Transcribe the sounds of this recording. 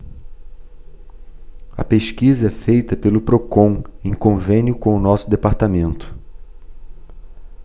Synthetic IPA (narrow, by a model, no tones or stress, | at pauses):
ɐ̰peʃkizɐɛfejt̪ɐpelʊpɾokõw̃ẽkõvẽnjʊkõw̃ʊnɔsʊd̪epaɾt̪amẽnt̪ʊ̥